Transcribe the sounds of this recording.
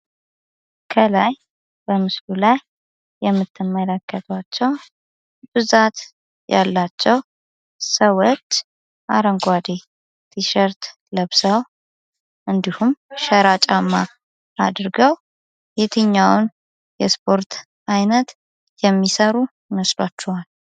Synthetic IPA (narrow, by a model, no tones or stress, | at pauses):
kʰəlaj | bəmɨslulajː | ɛmːɨt̪ʰːɨmːələkːət̪ʰwat͡ʃːɛw | b̥ɨzat̪ | jalːat͡ʃːɛw | səwot͡ʃː | ʔa̰ɾəŋɡʷad̪e | t̪ʰiʃəɾt̪ | ləβsəw | ʔɨnd̪ihumʃəɾat͡ʃʼamːaː | d̪ɾɡəw | jet̪ʰɨɲːawn | jɛspʰo̞ɾt̪ʰ | ʔajnət̪ | jɛmːisəɾu | məslat͡ʃːɛwal